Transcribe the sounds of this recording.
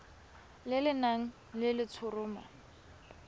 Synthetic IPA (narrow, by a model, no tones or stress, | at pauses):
lɪlɪnaŋ̩ | lɪlɪt͡sʰʊrʊːma̰